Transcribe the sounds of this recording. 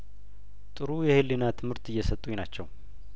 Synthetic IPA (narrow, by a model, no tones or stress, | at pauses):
t̪ʼɨɾujɛhɨlːɨnat̪ʰɨmhɨɾt̪ɨjːɛsət̪ʼːujnat͡ʃːɛw